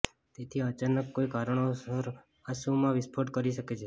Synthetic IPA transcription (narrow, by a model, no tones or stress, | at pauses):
t̪et̪ʰiət͡ʃanəkːoikaɾəɳ̃oəɾ | asumãʋɪspʰoʈkəɾiʃəket͡ʃʰe